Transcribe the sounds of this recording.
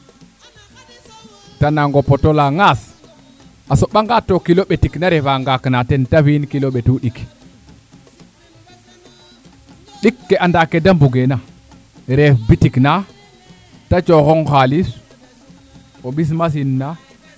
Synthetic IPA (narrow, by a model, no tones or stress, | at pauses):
tanaŋɡopotolaŋas | asoɓaŋɡatːokiloɓetiknaɾefaŋɡaknatentafinkiloɓetuɗik | ɗikːeʔandakːedambuɡena | ɾefbitikna | tat͡ʃoxoŋxalis | oɓis̬mas̬inːa